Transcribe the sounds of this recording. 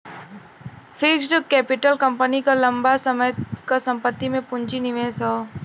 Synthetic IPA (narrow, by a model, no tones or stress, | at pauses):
fʰɪksɖəkːɛːpɪʈəlkə̃mpənikalɐ̃mbasəməjkasə̃mpət̪ːimẽpʊ̃ɲt͡ʃinɪʋeːsɦɔː